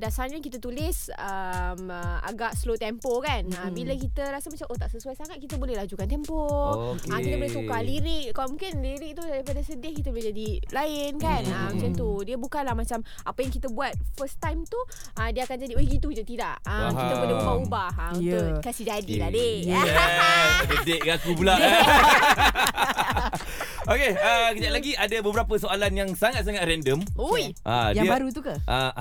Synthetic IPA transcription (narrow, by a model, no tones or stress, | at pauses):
dasanankit̪ət̪ulɪsəma̰ɡaʔslot̪ɛmpokanəbiləkit̪əɾasəmat͡ʃamʔot̪aʔsəsuajsaŋat̪̚kit̪əbolɛhlad͡ʒukant̪̬ɛmpoəkit̪əbolɛhsukaliɾɪk̚kaamũŋkɪnliɾɪk̚t̪udaɾipadasədɪŋkit̪̬əbolɛd͡ʒadilaɪnkanəmat͡ʃamt̪udiəbukanlahmat͡ʃam | apəjaŋkit̪əbuat̪̚fəst̪ajmt̪u | ʔəmdiəakand͡ʒadibəɡit̪ukid͡ʒat̪idaʔəkit̪apədaubaubahəmkasid͡ʒadiladejɛssədeʔɡakup̬ula | okeəkəɲaʔlaɡiʔadabəbəɾapəsoalanjaŋsaŋat̪̚saŋat̪̚ɾɛndəmuʔa̰aiəbaɾut̪ukaʔa